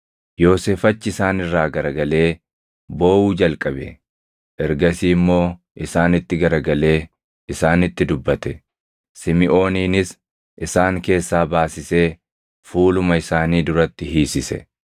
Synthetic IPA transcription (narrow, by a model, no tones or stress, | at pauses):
jo̞ːseːfɐt͡ʃːɪɪsaːnɪrːaːɡɐɾɐɡɐle̞ː | bo̞ːwuːd͡ʒɐlkʼɐbɛ̰ | ʔɛɾɡɐsiːmːo̞ː | ʔɪsaːnɪt̪ːɪɡɐɾɐɡɐle̞ː | ɪsaːnɪt̪ːɪd̪ʊbːɐt̪ɛ | sɪmɪʔo̞ːniːnɪs | ʔɪsaːŋke̞ːsːaːbaːsɪse̞ː | fuːlʊmɐɪsaːniːd̪ʊɾɐt̪ːɪɦiːsɪsɛ̰